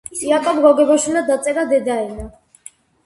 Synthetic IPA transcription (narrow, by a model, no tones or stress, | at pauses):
ijakʼɔbɡɔɡɛbɔʃulad̪at̪sʼɛɾad̪ɛd̪aɛna